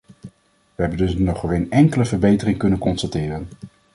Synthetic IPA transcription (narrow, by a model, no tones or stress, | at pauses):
ʋəɦɛbəndɵsnɔχrejnɛŋkələvəɹbejtərɪŋkɵnənkɔnstatɪːrən